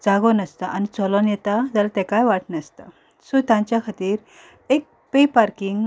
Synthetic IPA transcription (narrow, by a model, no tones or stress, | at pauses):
d͡zaɡɔnəst̪aʔanit͡sɔlɔnjɛt̪ad͡zalat̪ɛ̃kajʋaʈnəst̪a | sot̪jãɲt͡ɕjakʰat̪iːɾ | ek̚ | pepaɾkiŋɡ